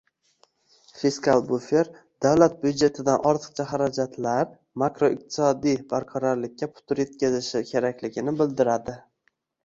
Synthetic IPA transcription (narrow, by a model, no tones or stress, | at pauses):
fiskʰalˠbufeɾ | d̪̥awlat̪̚bʊd̪d͡ʒe̞t̪ʰɪd̪anʔɒɾt̪ʰɨ̥qt͡ʃʰaɦaɾad͡ʒat̪ʰlaɾ | makɾoɪq̚t̪ʰɪ̥sɒd̪ijbaɾqʰɒɾɒɾlɪk̚ʲʰːapʰʊ̥t̪ʰʊɾje̞t̪̚kʲazɪʃɪkʲʰe̞ɾakʲlɪɡʲɪnɪbɪld̪ɪɾad̪ɪ